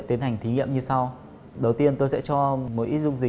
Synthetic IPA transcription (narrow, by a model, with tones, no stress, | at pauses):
t̪i˨˦ənha˨˩jŋ̟t̪ʰi˨˦ŋḭ˧˨əmɲɨ˧sa˧w | ɗə˨˩wt̪i˧ənt̪o˧jsɛ̰˧˥t͡ɕɔ˧mo˨˦ʔi˦˥zʊ̰˧ŋ͡mzï˨˩